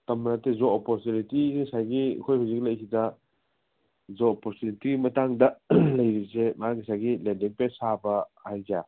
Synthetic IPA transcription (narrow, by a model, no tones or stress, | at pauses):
tɐmːnatezoopoɾtunitikisajɡḭkʰojhawziklɐjkʰitɐ | zoopoɾtunitiɡimɐtaŋdɐlɐjɾisemaaɡisaɡilendiŋpesabɐhajkia